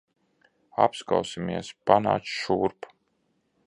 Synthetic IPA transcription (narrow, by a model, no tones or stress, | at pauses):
a̰pskawsimiɛspana̰ːsʃuɾp